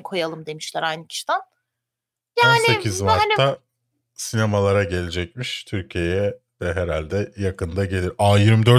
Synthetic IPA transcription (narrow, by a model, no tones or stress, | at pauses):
kʰo̞jalˠɯmd̪e̞miʃlʲæɾajnɯcʰi̥ʃi̥d̪æn | jaːnsɪecʰizmaɾnʰa | sinemalˠaɾaɟe̞lʲed͡ʒɛc̚miʃt̪ʰyɾcʰije̞jɛ | d̪ɛɦeɾalʲd̪ɛjakʰɯnd̪aɟe̞lʲiɾaːjiɾmd̪ø̞ɾ